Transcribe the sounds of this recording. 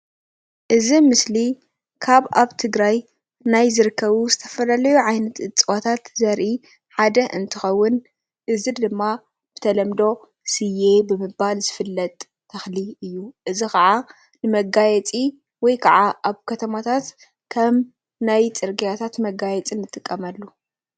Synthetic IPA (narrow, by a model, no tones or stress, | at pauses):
ʔɨzimɨsli | kʰaβaβt̪ʰɨɡɾaj | najzɨɾɨkʰːɐβuzɨt̪ʰɐ̥fɐlalɐjuʕajnɐt̪ɨt͡sʼwot̪ʰat̪zɐɾʔi | ħad̪ɐʔɨnt̪ʰɨxɐwːʊn | ʔɨzid̪ɨmːa | b̥ɨt̪ʰɐlɐmd̪o̞ | sɨje̞bɨmɨbalzɨfɨlːɐt̪ʼ | t̪ʰːɐxliɨjːuʔɨzixɐʕa | nɨmɐɡajɛt͡sʼi | wɔjkʰɐʕaʔaβkʰɐt̪ʰɐmat̪ʰat̪ | kʰɐm | najt͡sʼɨɾɡijat̪ʰat̪mɐɡajɛt͡sʼinːɨt̪ʼːɨkʼːɐmɐlːu